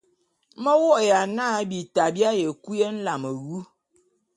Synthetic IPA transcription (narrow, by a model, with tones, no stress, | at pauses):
mə˦wɔ˦˨ja˨na˦bi˨ta˨bja˦je˨ku˦je˦n̩˦la˨mə˨wu˦